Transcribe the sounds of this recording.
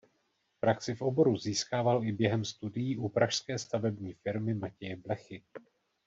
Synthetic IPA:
pɾaksɪfʔo̞bo̞ɾuziːskaːvalʔɪbjɛɦɛmst̪udɪjiːʔupɾʔaʃskɛːst̪avɛbɲiːfɪɾmɪmacɛjɛblɛxɪ

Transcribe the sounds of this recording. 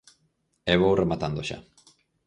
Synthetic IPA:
eβoremat̪and̪oʃa̰

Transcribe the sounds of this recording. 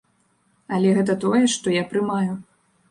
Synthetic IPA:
ɐlʲɛɣɛt̪ɐt̪ɔjɛʂt̪ɔjapɾɨmaju

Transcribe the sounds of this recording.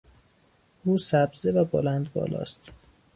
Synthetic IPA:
uːsæbzevæbolænd̪bɒ̰ːlɒ̰ːst̪

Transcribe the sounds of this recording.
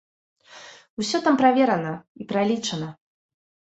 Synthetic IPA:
wsʲɔt̪ampɾavʲɛɾɐnɐipɾalʲit͡ʂɐnɐ

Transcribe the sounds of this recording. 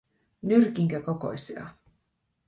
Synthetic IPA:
nyrkiŋkæko̞ko̰jsiɑ̰

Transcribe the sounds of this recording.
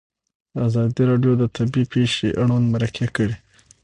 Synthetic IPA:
azɑd̪iɾɑɖjod̪ət̪ʰabipeʃeʔaɽanmaɾakʰekəɽe

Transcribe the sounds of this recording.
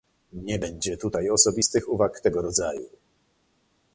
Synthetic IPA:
ɲɛbɛɲd͡ʑɛt̪ut̪ajɔsɔbʲist̪ɘxuvakt̪ɛɡɔɾɔd̪zajṵ

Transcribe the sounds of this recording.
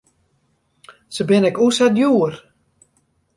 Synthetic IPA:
səbɪnɛkusɛtjuər

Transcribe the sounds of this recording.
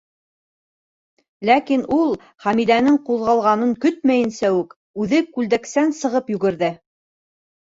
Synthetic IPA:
lækinulˠ | χæmid̪ænɘŋqulˠʁɑlˠʁɑnɤŋkɵt̪mæjɘ̆nsæʉk | ʉðɘkʉld̪æksænsɤ̆ʁɤpjʉ̆ɡɘ̆ɾðɘ

